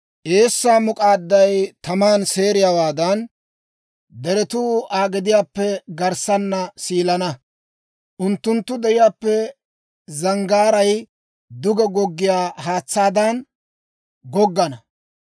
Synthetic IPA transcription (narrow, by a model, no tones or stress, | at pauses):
ʔe̞ːsːaːmʊkʼaːd̪ːɐjt̪ɐmaːnse̞ːɾɪjaːwaːd̪ɐn | d̪ɛɾɛt̪uaːɡɛd̪ɪjaːpːɛɡɐɾsɐnːɐsiːlɐnɐ | ʔʊnt̪ːʊnt̪ːʊd̪ɛʔɪjaːpːɛ | zɐŋɡaːɾɐj | d̪ʊɡɛɡɔɡːɪjaːɦaːt͡sːaːd̪ɐn | ɡɔɡːɐnɐ